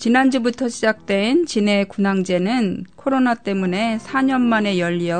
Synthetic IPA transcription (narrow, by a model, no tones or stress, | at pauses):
t͡ɕinand͡ʑubutʰʌɕʰid͡ʑak̚t͈we̞nt͡ɕine̞kunaŋd͡ʑe̞nɯnkʰoɾonat͈e̞mune̞sʰaɲʌnmane̞jʌʎːiʌ